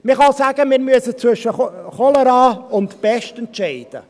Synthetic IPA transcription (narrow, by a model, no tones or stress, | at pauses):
mɪχɑsæːɡəmɪːɾmyəsət͡sʋʏʃəχɔləɾɑːʊntb̥ɛʃtɛntʃɛɪd̥ə̰